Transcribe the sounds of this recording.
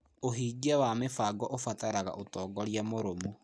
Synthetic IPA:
oɦiːɡiawamefaːɡɔʔofataɾaɣa̰ʔotɔːɡɔɾjamoɾomu

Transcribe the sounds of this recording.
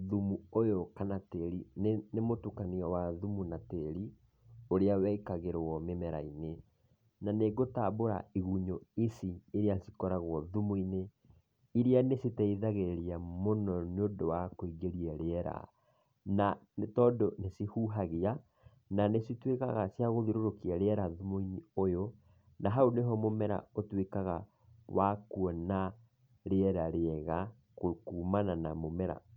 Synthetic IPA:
ðumuojokanateɾinnemotukaniɔwaðumunateɾi | oɾeawɛikaɣeɾwɔmemɛɾaine | naneɣotaboɾa̰iɣuɲoisieɾeasikɔɾaɣwɔðumuine | iɾianesitɛiðaɣeɾeɾiamonɔneondowakoiɡeɾiaɾeɛɾa̰ | na | tɔːndonesihuːɦaɣea | nanesitwekaɣasjaɣoðiɾoɾokiaɾeɛɾaðumuiɲiojo | naɦaoneɦɔmomɛɾa̰otwekaɣa | wakuɔna | ɾeɛɾaɾeɛɣa | kokuːmanana̰momɛɾa̰

